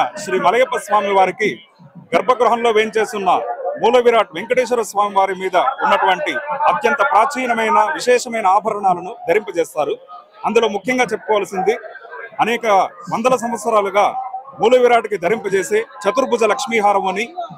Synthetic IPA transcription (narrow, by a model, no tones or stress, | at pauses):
ʃɾiːmɐlɐɡɐpːɐsʋaːmiʋaːɾiki | ɡɐɾbʱɐɡɾuɦɐnlo̞ːʋeːnt͡ʃe̞ːst̪unːɐmuːlɐʋiɾaːʈ̚ʋeŋkɐʈeːʃ̬ɐɾɐsʋaːmiʋaːɾimiːd̪ɐunːɐʈuʋɐɳʈiɐt̪jɐnt̪ɐpɾaːt͡ʃiːnɐmɐjnɐʋiʃɛːʂɐmɐjnɐaːbʱɐɾɐɳaːlɐnud̪ʱɐɾimpɐt͡ʃɛːst̪aːɾu | ɐnd̪ulo̞ːmukʰjɐŋɡaːt͡ʃepːu̥kɔːʋaːlɐsind̪iɐnɛːkɐʋɐnd̪ɐlɐs̬ɐmʋɐt̪sɐɾaːluɡaːmuːlɐʋiɾaːʈikid̪ʱɐɾimpɐt͡ʃeːse̞ːt͡ʃɐt̪uɾbʱud͡ʒɐlɐkʂmiːɦaːɾɐmɐni